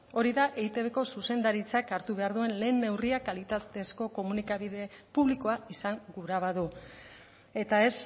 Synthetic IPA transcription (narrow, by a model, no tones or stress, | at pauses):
o̞ɾiðaʔeit̪e̞βeko̞suse̞nd̪aɾit͡sakaɾt̪uβe̞aɾðue̞nle̞ːnːe̞wriakalit̪at̪e̞sko̞ko̞munikaβiðe̞puβliko̞aisaŋɡuɾaβ̞aðu | e̞t̪ae̞s